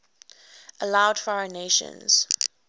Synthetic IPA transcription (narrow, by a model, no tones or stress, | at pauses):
ʔəlaʊd̥fɔɹəneʃə̰̃nz̥